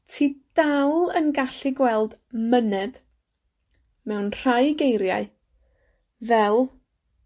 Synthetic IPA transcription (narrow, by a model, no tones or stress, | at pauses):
tʰiːd̥alˠənɡaɬiɡwɛlˠdmənɛd̥ | mɛwnr̥ajɡejɾja̰ɨ | vɛlˠ